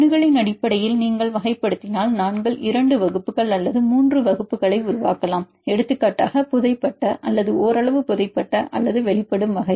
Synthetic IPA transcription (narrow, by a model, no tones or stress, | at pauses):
nɯɣɐɭɐɪnɐɽɪpːɐɽɐjɪlniːŋɡɐɭʋɐɣɐɪpːɐɽɯt̪ːɪnaːlnaːnɡɐɭʔɪɾɐɳɖɯʋɐɣɯpːɯɣɐɭɐlːɐðɯmuːndrɯʋɐɣɯpːɯɣɐɭɐɪʊɾʊʋaːkɐlaːm | ɛɽɯt̪ːɯkːaːʈːaːɣɐpʊðɐɪpːɐʈːɐʔɐlːɐðɯoːɾɐɭɐʋɯpʊðɐɪpːɐʈːɐʔɐ̰lːɐðɯʋɛɭɪpːɐɽɯmʋɐɣɐɪ